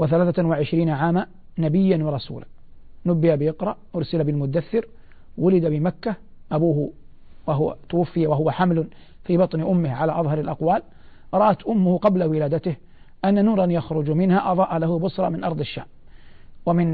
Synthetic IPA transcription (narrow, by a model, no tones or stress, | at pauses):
wɪθalaːθawɪʕɪʃɾiːnaʕaːma | nabɪjːanwɑɾˤɑsṵːla̰nʊbːɪjabɪʔɪqɾˤɑʔʔʊɾˤsɪlabɪlmʊd̪aθːɪɾ | wʊlɪd̪abɪmakːa | ʔabuːh | waɦwa̰t̪ʊwafːɪjawaɦʊwaħamlʊ | fiːbɑt̪ˤnɪʔʊmːɪhʕalaʔɑðˤɦɑɾˤɪlʔɑqwaːl | ɾˤɑʔat̪ʔʊmːʊhʊqɑblawɪlaːd̪at̪ɪh | ʔanːanuːɾˤɑnjaxɾʊd͡ʒmɪnhaʔɑðˤɑːʔalahʊbʊsɾˤɑ̰mɪnʔɑɾˤd̪ˤɪʃːa̰ːm | wamɪn